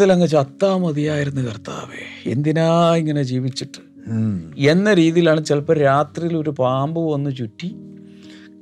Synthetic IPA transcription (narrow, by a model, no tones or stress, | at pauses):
ilɐŋːɐt͡ɕɐt̪ːaːmːɐðijaːjiɾunːukɐrt̪a̰ːʋḛe̞̰nd̪inaːiŋːɐne̞d͡ʑiːʋit͡ɕːiʈːɨ̥ | e̞nːɐɾiːðijilaːɳɨt͡ɕelɐpːɐːɾaːt̪rijilo̞ɾupaːmbɨʋonːut͡ɕutːi